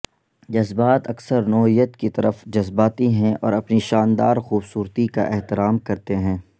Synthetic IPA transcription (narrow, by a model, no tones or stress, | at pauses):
d͡ʒɐzbaːt̪ɐksəɾnɔːɦijət̪kit̪ɐɾəfd͡ʒɐzbaːt̪iɦɛ̃ʔɔ̰ːɾɐpniʃaːnd̪aːɾxuːbsuːɾt̪ika̰ʔɛɦt̪ɪɾaːmkɐɾt̪eɦɛ̃ː